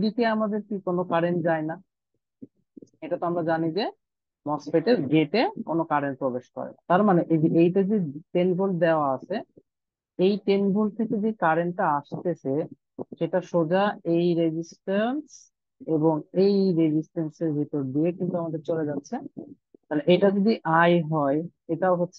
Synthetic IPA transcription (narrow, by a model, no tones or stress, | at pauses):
ɖikeamad̪eɾkikonokaɾend͡ʑaena | eʈat̪oamɾad͡ʑanid͡ʑe | mɔspeʈeɾɡeʈekonokaɾenpɾobeʃkɔ̰ɾḛt̪aɾmaneʔeiʔejʈad͡ʑet̪enbʱold̪eoaat͡ɕʰe | ejt̪enbʱolt̪ʰeked͡ʑekaɾeɳʈaaʃt̪et͡ɕʰe | ʃeʈaʃod͡ʑaejɾed͡ʑisʈans | eboŋejɾed͡ʑisʈenseɾbʱit̪oɾd̪iekint̪uamad̪eɾt͡ɕoled͡ʑatːɕʰe | t̪aleʔeʈad͡ʑod̪iʔajɦɔe | eʈaoɦotːɕʰe